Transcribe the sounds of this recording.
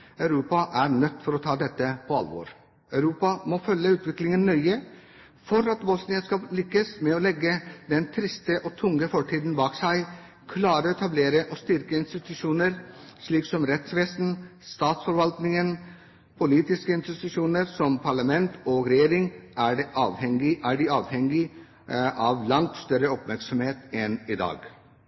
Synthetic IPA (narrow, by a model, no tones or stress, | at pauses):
ɑʉɾuːpɑʔæɾɳœt̪ːfɔɾɔt̪ʰɑːd̪ɛt̪ːəpʰɔɑ̰lʋo̰ːɾ | œʉɾuːpɑmɔfœlːəʉːt̪ʋɪklɪŋənːœʏə | fɔɾɑt̪bɔsnɪənskɑlɪkːəsmɛɔlɛɡːəd̪ɛnt̪ʰɾɪst̪əʔɔt̪ʰʊŋɡəfɔʈʰiːd̪n̩bɑːksæɪ | kʰlɑːɾəɛt̪ʰɑbleːɾəʔɔst̪ʏɾkəɪnst̪ɪt̪ʉʂuːnəɾ | ʂɭiːksɔmɾɛt̪sʋeːsn̩st̪ɑːt̪sfɔɾʋɑlt̪nɪŋən | pʰʊliːt̪ɪskəɪnst̪ɪt̪ʉʂuːnəɾsɔmpʰɑɭɑmɛnt̪ɔɡɾɛjeːɾɪŋæɖɛʔɑːʋhɛŋɪʔæɖɪɑːʋhɛŋɪ | ʔɑʋlɑŋt̪st̪œɾəɔpmæɾksɔmheːt̪ɛnɪd̪ɑ̰ːɡ